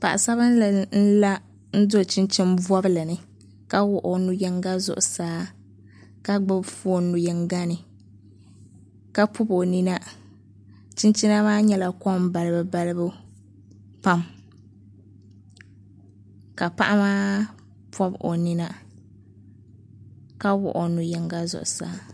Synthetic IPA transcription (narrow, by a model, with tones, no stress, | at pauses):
pa˨ʔa˨sa˦βɨ˦n˦ln̩˦la˦ | n̩˦do˦˨t͡ʃi˦nt͡ʃi˦mbɔ˦blɨ˨nɨ˨ | ka˦wʊ˨ʔo˨nu˨jɛ˦ŋɡa˦zʊ̰˨ʔʊ˨saː˦ | ka˦ɡ͡bɨ˦bfu˦o˦˨nu˨jɛ˨ŋɡa˦nɨ˨ | ka˦pʰʊ˦bo˨ni˦na˦ | t͡ʃɪ˦nt͡ʃɪ˦na˦maː˦ɲɛ˦la˨kɔ˦m˦ba˨lɨ˦bɨ˦ba˦lɨ˦bu˦ | pa˦m | ka˨pa̰˦ʔa˦maː˦ | pʰɔ˦bo̰˨ni˦na˦ | ka˦wʊ̰˨ʔo˨nʊ˨jɛ˨ŋɡa˦zʊ̰˨ʔʊ˨sa̰ː˨˦